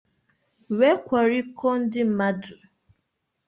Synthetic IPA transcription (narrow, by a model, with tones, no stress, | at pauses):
we˦kʷa˨ɾi˦kʰɔ˦n̩˦dɪ˦m̩˨ma˦du˨